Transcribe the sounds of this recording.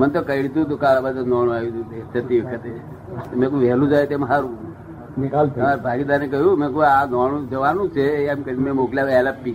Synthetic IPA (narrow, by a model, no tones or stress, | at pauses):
mənt̪̬okəɽit̪ũt̪̬okalabad̪nɔɽ̃ũajud͡ʒ̪ũd̪est̪ʰət̪iʋəkʰət̪e | t̪omẽkuʋɛɦlũd͡ʒajet̪emɦaɾu | nikaltʰbʱaɡid̪aɾnek̬əɦjũmẽk̬uanɔɽ̃ũd͡ʒəʋanũt͡ʃʰeamkəɾimẽmokljaʋɛlapi